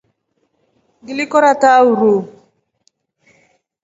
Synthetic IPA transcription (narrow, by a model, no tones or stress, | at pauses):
ɡilikɔɾatauɾo